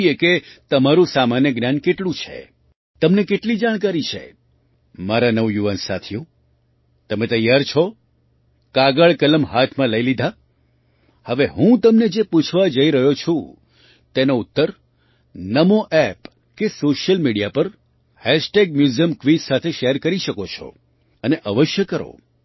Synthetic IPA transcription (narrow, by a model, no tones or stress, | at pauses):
ieket̪əmaɾũsamanjəɡnjankeʈlũt͡ʃʰḛ | t̪əmnekeʈlid͡ʒaɽ̃kaɾit͡ʃʰḛ | maɾanəʋjuʋansa̰t̪ʰjũ | t̪əmẽt̪əjaɾt͡ʃʰɔ | kaɡəɭkələmɦat̪ʰmãləilid̪ʱa | həʋeɦũt̪əmned͡ʒeput͡ʃʰʋad͡ʒəiɾəɦjot͡ʃʰũ | t̪enout̪ːəɾ | nəmoʔɛp | kesoʃjəlmiɽijapəɾ | hɛʃʈeɡ̚mjuzijəmkʋizsat̪ʰeʃeɾkəɾiʃəkot͡ʃʰɔ̰ | əneʔəʋəʃjəkəɾo̰